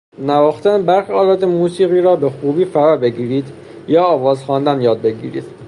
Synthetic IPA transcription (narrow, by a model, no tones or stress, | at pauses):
nævɒːxt̪ænbæɾxiɒːlɒːd̪emuːsiːɣiːɾɒːbe̞xuːbiːfæɾɒːbe̞ɡiːɾiːd̪ | jɒːvɒːzxɒːnd̪ænjɒːd̪̚be̞ɡḭːɾḭːd̪̥